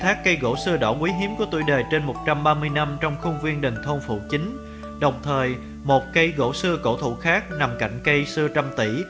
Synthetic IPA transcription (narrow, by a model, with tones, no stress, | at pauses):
t̪ʰaː˦˥kːə˧jɣo̰˧˥sɨ˧əɗɔ̰˧˩kwi˨˦ɦi˨˦əmku˧˩ət̪ṵ˧˩ɗe˨˩t͡ɕe˧nmo˨˩t̚t͡ɕa˧mɓaː˧mɨ˧əjna˧mt͡ɕɔ˧wŋ͡mxʊ˧ŋ͡mvi˧ənɗi˨˩ŋ̟t̪ʰo˧ŋ͡mfṵ˧˨t͡ɕï˨˦ŋ̟ | ɗə˨˩wŋ͡mt̪ʰəː˨˩j | mo˨˩t̚kə˧jɣo̰˧˥sɨ˧əko̰˧˥˩t̪ʰṵ˧˨xaː˦˥k̚na˨˩mka̰˧˩jŋ̟kə˧jsɨ˧ət͡ɕa˧mt̪i˧˩